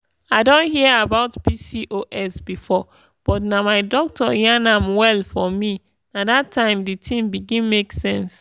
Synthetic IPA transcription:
aɪdõnhiəabaʊtpisiʔoʔɛsbifɔ | b̥ɔtnamaɪdɔk̚tɔjãnãmwɛlfɔmi | nadatʰːãɪ̃mditʰĩmbiɡĩnmeksɛ̃ns

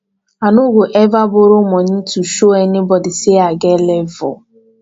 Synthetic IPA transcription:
anʊɡʷʊʔevabʊɾʊmɔɲituʃoɛnɪbɔdɪseaɡɛlevʊ

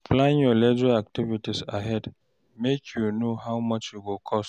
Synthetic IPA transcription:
flãnjɔled͡ʒiak̚tivitisaɦɛd | mekʰjunoɦawmʌt͡ʃjuɡokʰɔst

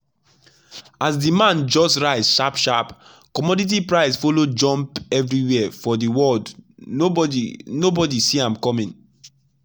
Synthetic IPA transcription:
azdimãnd͡ʒɔstɹaɪzʃapʃap | kɔmɔdit̬ipɹaɪsfolod͡ʒɔ̃mpɛvɹiwɛafɔdiwɔld | nobɔdisiãmkɔmĩŋ

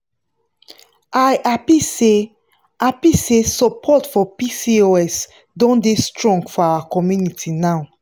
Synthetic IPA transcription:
ajʔapise | ʔapisesɔpʰɔtfɔpisioɛs | dɔ̃ndestɹɔ̃ŋɡfɔawakɔmjunitʰinaʊ

